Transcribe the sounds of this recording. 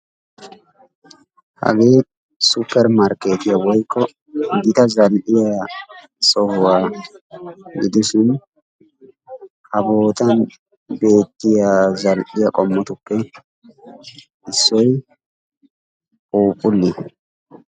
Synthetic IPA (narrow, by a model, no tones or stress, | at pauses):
hɐ̰ɡeː | sʊpɛɾmaɾkeːt̪ɪjɐwɐjkːɔ | d̪ɪt̪ɐzɐlʔɪjɐ | sɔhʊa | ɡɪd̪ʊsʊn | hɐboːt̪ɐn | be̞ːt̪ːɪjɐzɐlʔɪjɐkʼɔmːɔt̪ʊkːe | ɪsːɔj | ʔuːpʼʊlːɪ